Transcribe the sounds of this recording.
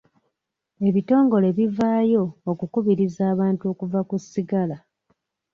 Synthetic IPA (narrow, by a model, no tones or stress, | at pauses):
e̞βito̞ːŋɡo̞le̞βivaːjo̞ːkukuβiɾizaːβaːntuo̞kuvakusːiɡala